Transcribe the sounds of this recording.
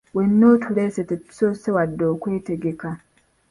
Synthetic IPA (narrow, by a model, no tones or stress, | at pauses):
wenːotʰuɾesetetu̥sosewadːoːkwe̞ːteɡeka